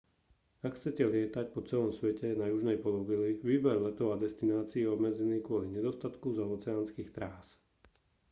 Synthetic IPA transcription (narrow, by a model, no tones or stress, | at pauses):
akxt͡sɛcɛlɪɛt̪ac̚pɔt͡sɛlɔmsʋɛcɛnajuʒnɛjpɔlɔʋiliʋiːbɛɾlɛt̪ɔʊad̪ɛst̪inaːt͡siːɔbmɛd͡zɛniːkʊɔliɲɛd̪ɔst̪at̪kuzɔɔːt͡sɛaːnskiːxt̪ɾaːs